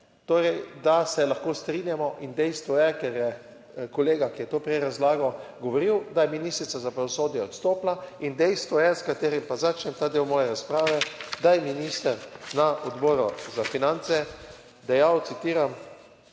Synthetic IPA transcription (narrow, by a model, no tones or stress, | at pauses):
t̪oːɾɛjd̪asɛlaxkoːst̪ɾinjamɔʔind̪ɛjst̪ʋɔjɛkɛɾjɛ | kɔleːɡakijɛt̪oːpɾɛɾazlaːɡɔɡɔʋɔɾiwd̪ajɛminist̪ɾit̪sazapɾaʋɔsoːd̪jɛɔt̪st̪oːplaind̪ɛjst̪ʋɔjɛskat̪eːɾimpazat͡ʃnʲɛmt̪aːd̪ewmɔːjɛɾaspɾaːʋɛd̪ajɛminist̪əɾnaʔɔd̪bɔːɾɔzafinant̪sɛ | d̪ɛjawt̪sit̪iːɾam